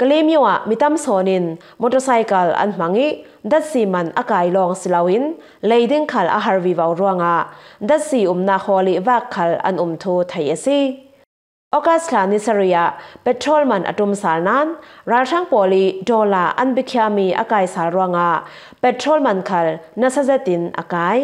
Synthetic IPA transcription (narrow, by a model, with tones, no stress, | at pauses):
kɐ˧li˦mju˧˨a̰˨ʔmi˨t̪ɐ˦˨msɔː˨nɪ˧n | mɔ˨tɔ˧sa˧jkɐ˨lɐ̰˧nm̥ɐ˨˦ŋi˦ | dɐ˦t̪̚si˨mɐ˨nʔɐ˧kaː˨jlɔː˧ŋsi˧lɐ˧wi˦n | le˨jdi˥ŋkʰɐ˨lʔɐ̰˧ɦɐ˧rvi˨vɐ˨wru˧əŋa˨ʔdɐ˦t̪̚si˨u˨mnaː˧k̚hɔ˧li˧ʔvaː˦˧kʰːɐ˨lɐ̰˦nʔu˨mt̪ʰu˧˦t̪ʰe˨jə˨si˦ | ʔɔ˦ka˦sɬʰaː˨ni˧˨sɐ˧ɾi˨a˧˨ʔpɛ˧tʰrɔ˦lmɐ˨nʔɐ̰˨tu˧msaː˨lnaː˦nraː˨lrʰa˥˦ŋpɔ˨li˦dɔ˧la˨˩ʔɐ̰˦nbi˦kʰia˧mi˧ʔɐ̰˦kaː˨jsaː˨lru˥əŋa˨ʔ | pɛ˧tʰrɔ˦lmɐ˨nkʰɐ˨lnɐ˧sa˦zɛ˦t̪i˨nʔɐ̰˧kaː˧˦j